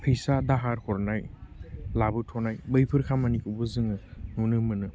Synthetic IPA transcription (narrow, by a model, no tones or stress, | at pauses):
pʰɯjsadaɦaɾhɔɾnaj | labɯtʰɔnajbɯjpʰɯɾkʰamanikɯbɯzɯŋɯnunɯmɯnɯ